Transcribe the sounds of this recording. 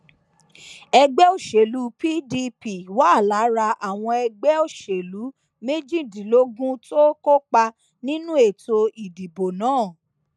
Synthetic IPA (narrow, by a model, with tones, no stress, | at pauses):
ɛ˧ɡ͡bɛ˦o˦˨ʃe˨lu˨˦pi˦di˧pi˨wa˦˨la˨˦ɾa˧ʔa˨w̃ɔ̃˧ɛ˧ɡ͡bɛ˦o˦˨ʃe˨lu˨˦ | me˦d͡ʒĩ˦˨dĩ˨˦lo˦ɡũ˦to˦ko˦kk͡pa˧ | nĩ˦nũ˦e˦˨to˧i˨di˨bo˨nãː˨˦˨